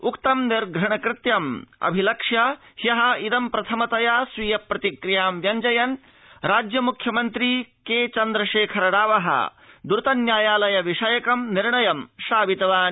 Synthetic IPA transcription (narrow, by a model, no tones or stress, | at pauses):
ukt̪ɐmniɾɡɾɐɳɐkɾɪt̪jɐmɐ̰bʱilɐkʂjɐhjɐɦɐ̆id̪ɐmpɾɐt̪ʰɐmɐt̪ɐjasʋiːjɐpɾɐt̪ikɾijaːmʋjɐɲd͡ʒɐjɐn | ɾaːd͡ʒjɐmukʰjɐmɐnt̪ɾikeːt͡ʃɐnd̪ɾɐʃeːkʰɐɾɐɽaːʋɐɦɐ̰d̪uɾt̪ɐnjaːjaːlɐjɐʋiʂɐjɐkɐmniɾɳɐjɐmʃaːʋit̪ɐʋaːn